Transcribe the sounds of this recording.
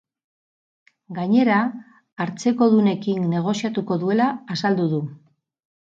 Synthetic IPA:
ɡaɲe̞ɾaː | ɾt͡se̞ko̞ðune̞kinne̞ɣ̞o̞siat̪uko̞ðue̞laːsald̪uðu

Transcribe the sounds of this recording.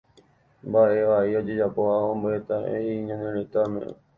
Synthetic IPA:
mbaʔe̞ʋaʔio̞d͡ʒe̞d͡ʒapo̞haõmboʔet̪aḛiɲãɦẽɾ̃ẽt̪amḛ̃

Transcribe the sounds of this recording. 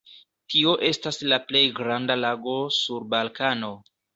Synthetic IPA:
tʰio̞ʔe̞staslaple̞jɡɾandalaɡo̞suɾbalkano̞

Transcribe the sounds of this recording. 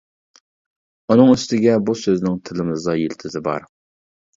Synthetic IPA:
unɨŋyst̪ɪɡʲɛbusøznɪŋt̪ʰɪlɪmɨzɑjilt̪ʰɪzɪbɑ̰ɾ

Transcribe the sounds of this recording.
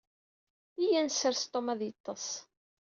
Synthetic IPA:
ijænsəɾst̪ˤːomæðjət̪ˤːɑs

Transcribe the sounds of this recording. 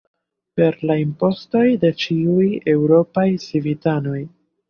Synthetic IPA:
pe̞ɾlaimpo̞sto̞jde̞t͡ʃiuje̞wɾo̞pajsivitano̞j

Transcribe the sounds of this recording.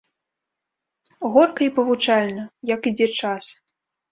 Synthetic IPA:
ɣɔrkɐipɐvut͡ʂalʲnɐjɐkid͡zʲɛt͡ʂas

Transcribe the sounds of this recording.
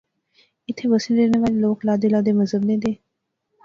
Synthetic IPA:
ɪt̪ʰeʋəsilɾeːneʋaːleloːklaːd̪eːlaːd̪eːməzɦəbnẽːd̪eː

